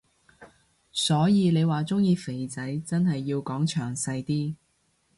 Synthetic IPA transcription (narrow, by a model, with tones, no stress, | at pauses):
sɔː˨˥jiː˨˧le˨˧jwaː˨˩t͡sʊ˥ŋjiː˧fe˨˩jt͡sɐ˨˥jt͡sɐ˥nhɐ˨jːiː˧wkɔː˨˥ŋt͡ʃʰœː˨˩ŋsɐ˧jt̪iː˥